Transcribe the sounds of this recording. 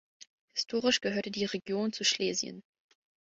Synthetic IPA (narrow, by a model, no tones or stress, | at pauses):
hɪ̥stʰoːʁɪʃɡ̥əhøːɐtədiːʁeɡjoːnt͡suʃleːzjə̰n